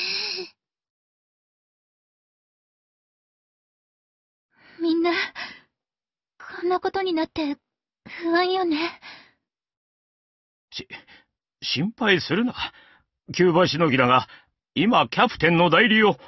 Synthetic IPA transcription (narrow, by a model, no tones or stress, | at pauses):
mʲĩnːa | sõ̞nːako̞t̪o̞ɲ̟inat̪ːe̞ | hɯβãɰ̃jone̞ | ɕi | ɕĩmpaisɨɾɯ̟na | kʲɨːβaɕino̞ɡʲid̪aɡa | imakʲapɯ̟̥t̪ẽ̞nːo̞d̪aiɾʲio